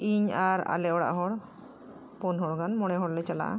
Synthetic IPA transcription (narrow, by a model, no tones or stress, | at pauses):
iɲaɾa̰lɛɔɽa̰ʔɦɔɽ | pɔnɦɔɽɡanmɔɽ̃ɛɦɔɽlɛt͡ʃala̰ʔa̰